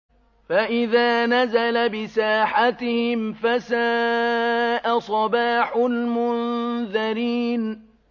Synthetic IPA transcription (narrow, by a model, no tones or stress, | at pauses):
faʔɪðaːnazalabɪsaːħat̪ɪhɪmfasaː | ʔasˤɑbaːħʊlmʊnðaɾiːn